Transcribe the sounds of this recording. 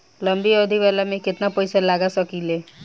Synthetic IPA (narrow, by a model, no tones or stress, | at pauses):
ləmbiod̪ʱiʋɛlamẽkɪt̪napəjsalaɡasəkile